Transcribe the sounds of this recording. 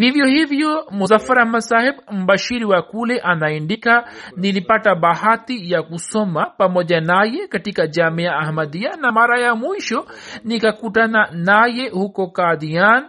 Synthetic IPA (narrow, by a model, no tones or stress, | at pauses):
vivjɔhivjɔmuzafaɾamasahɛbm̩baʃiɾiwakulɛʔanaindikanilipatabahatijakusɔmapamɔʄanajɛkatikad͡ʒamiaːhmad̪ianamaɾajamwiʃɔnikakutananajɛhukɔkad̪ijan